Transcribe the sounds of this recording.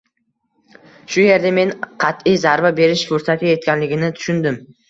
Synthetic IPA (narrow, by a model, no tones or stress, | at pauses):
ʃʊje̞ɾd̪ame̞nqʰɑt̪ijzaɾvabe̞ɾɪʃfʊɾsat̪ʲaje̞t̪̚kʲanlɪɡʲɪnɪt̪ʰʊ̥ʃʊnd̪ɪm